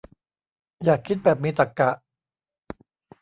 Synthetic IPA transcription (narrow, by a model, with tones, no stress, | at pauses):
jaː˨˩kʰːi˦˥t̪̚bɛː˨˩p̚miː˧t̪a˨˩kːa˨˩ʔ